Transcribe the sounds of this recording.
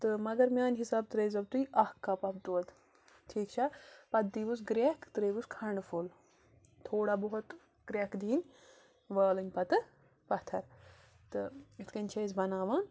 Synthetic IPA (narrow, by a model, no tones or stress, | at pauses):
t̪ɨmɐɡɐɾmʲaːnʲɦisaːbt̪ɾeːzɐbt̪ujɐhkːɐpɐp̚t̪uɐd̪ | t̪ʰiːkt͡ʃʰapɐt̪d̪iːʋusɡɾʲekʰt̪ɾeːʋuskʰɐɳɖfʰul | t̪ʰoːɽaːbɔɦut̪ | ɡ̥ɾʲekd̪ʱiːnʲ | ʋɐːlɨnʲpɐt̪ɨ | pɐt̪ʰɐɾ | t̪ɨit̪ʰkɐnʲt͡ʃʰɐzbɐnaːʋaːn